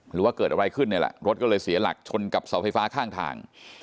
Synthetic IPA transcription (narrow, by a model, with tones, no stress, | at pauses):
ɾɯː˩˦waː˥˩kɤː˨˩t̪̚ʔa˧ɾa˧jkʰɯ˥˩nː˧˥˩lɛ̰˨˩ɾo˦˥t̪̚kɔ˥˩ɤː˧jsi˨˩˦ɐla̰˨˩k̚t͡ɕʰo˧nka˨˩p̚sa˩˦wfʰa˧jfaː˦˥kʰaː˥˩ŋt̪ʰa̰ː˧ŋ